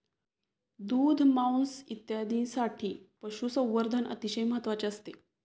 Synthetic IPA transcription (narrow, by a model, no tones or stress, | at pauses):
d̪uːd̪ʱmawnsit̪jad̪ʱiːnsaʈʰiːpəɕuːsə̃w̃ʋəɾd̪ʱənʔə̰t̪iɕəjməɦət̪ʋat͡ɕeəst̪e